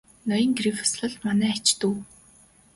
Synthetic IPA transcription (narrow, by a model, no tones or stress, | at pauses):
nɔjə̆ŋɡrifʊ̥sɮə̆ɮmanæːt͡ɕt̪uː